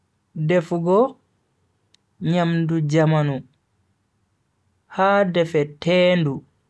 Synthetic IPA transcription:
dɛfɡɔ | ɲamdud͡ʒamanu | haːdɛfɛtɛːndu

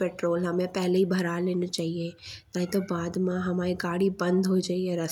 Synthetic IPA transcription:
peːʈɾoːlɦɐmẽpɛɦleɦibʱɐɾaleːnat͡ʃaːɦiet̪aːĩt̪obaːd̪mãɦɐmaːɾiɡaːɽibɐ̃nd̪ʱɦod͡ʒaːieɾɐ

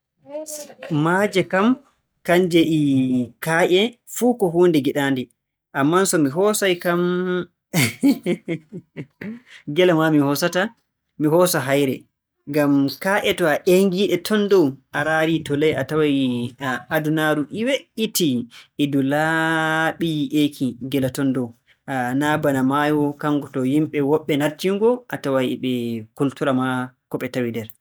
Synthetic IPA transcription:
mad͡ʒɛkam | kaɲd͡ʒɛʔikaːʔɛfuːkɔɦuːndɛɡiɗaːndɛ | ʔamːansɔmiɦɔsajkam | ɡɛlɛmamihɔsata | miɦɔsaɦajɾɛ | ŋɡamkaːʔɛtɔaʔeŋɡiːɗɛtʰɔndɔwʔaɾaɾitɔlajatawaj | adunaɾuʔiweʔitiɛdulaɓiʔekʰiɡɛlatɔndɔw | anabanamajɔkaŋɡɔtɔhimɓɛwɔɓːɛnaɾtiŋɡɔʔatawajɛɓɛkultuɾamakɔɓɛtawidɛɾ

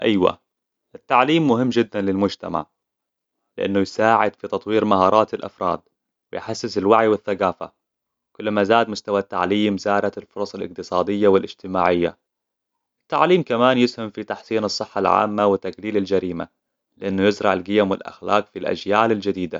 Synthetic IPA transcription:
ʔajwa̰ | ʔɪt̪ːaʕliːmːʊɦɪmːd͡ʒɪd̪ːanlɪlmʊd͡ʒt̪a̰ma̰ʕ | lɪʔanːujsaːʕɪd̪fit̪ɑt̪ˤwiːɾmaɦɑːɾˤɑːt̪ɪlʔa̰fɾˤɑ̰ːd̪̚ | wɪjħasːɪsɪlwaʕjwɪθːaɡaːfa̰ | kʊlːmazaːd̪mʊst̪awat̪ːa̰ʕliːmzaːɾˤɑt̪ɪlfʊɾˤɑsˤɑlʔɪq̚t̪ɨsˤɑːd̪ɪjːawɪlʔɪd͡ʒt̪ɪmaːʕɪjːa̰ | ʔɪt̪ːaʕliːmkamaːnjɪshamfit̪aħsiːnɨsˤːɨħːalʕa̰ːmːawɪt̪ːaɡliːlald͡ʒaɾiːma̰ | lɪʔɪnːʊjɪzɾˤɑʕɪlɡɪjamwɪlʔa̰xla̰ːqfilʔa̰d͡ʒjaːlɪld͡ʒad̪iːd̪a̰

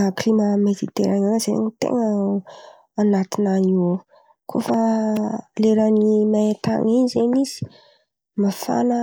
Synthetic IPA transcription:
klimamed̪it̪ḛɾananzeɲit̪ḛŋə | anat̪inano | kʰofə | leɾanimaet̪a̰ŋiɲizenizi̥ | mafa̰nə

